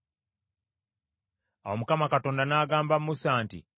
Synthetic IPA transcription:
awomukamakato̞ːndanaːɡaːmbammusaːntḭ

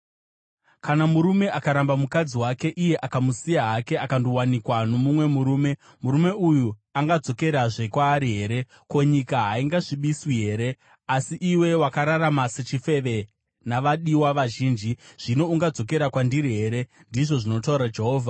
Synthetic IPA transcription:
kanamuɾume̞ʔakaɾambamukad͡ziwake̞ʔijeʔakamusijaɦake̞akandowanikwano̞mumwe̞muɾuːme̞ | muɾume̞ujuaŋɡad͡zo̞ke̞ɾaʐe̞kwaːɾiɦe̞ɾe̞ | ko̞ɲikaɦaiŋɡaʐiɓiswiɦe̞ɾe̞ | asiʔiwe̞wakaɾaramase̞t͡ʃife̞ʋe̞ | naʋaɗiwaʋaʒiːnd͡ʒiʐ̥ino̞uŋɡad͡zo̞ke̞ɾakwandiɾiɦe̞ɾe̞ | ndiʐo̞ʐino̞tauɾad͡ʒe̞ɦo̞ːvʱa

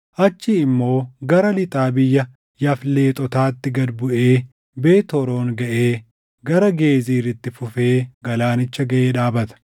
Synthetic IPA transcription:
ʔɐt͡ʃːɪɪmːo̞ːɡɐɾɐlɪt̪ʼaːbɪjːɐ | jɐfle̞ːt̪ʼɔt̪aːt̪ːɪɡɐd̪bʊʔe̞ː | be̞ːt̪ɔɾo̞ːŋɡɐʔeː | ɡɐɾɐɡe̞ːziːɾɪt̪ːɪfʊfe̞ːɡɐlaːnɪt͡ʃːɐɡɐʔeːᶑaːbɐt̪ɐ̥

